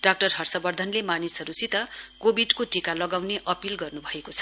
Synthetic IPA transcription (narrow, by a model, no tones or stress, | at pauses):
ɖak̚ʈʌrɦʌrsʌbʌrd̪ʱʌnlemanisʌɾusit̪ʌkobiɖkoʈikalʌɡawneʔʔʌpilɡʌrnubʱʌekot͡sʰʌ̥